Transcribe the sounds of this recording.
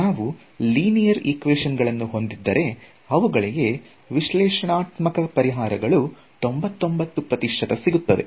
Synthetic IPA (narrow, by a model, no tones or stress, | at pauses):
naːʋu | liːnijɐɾikʋeːʂɐnɡɐɭɐnːuɦo̞nd̪id̪ːɐɾe̞ | ɐʋuɡɐɭije̞ | ʋiʃlɛːʂɐɳaːt̪mɐkɐpɐɾiɦaːɾɐɡɐɭu | t̪o̞mbɐt̪ːo̞mbɐt̪ːupɾɐt̪iʂʰɐt̪ɐsiɡut̪ːɐʋe̞̰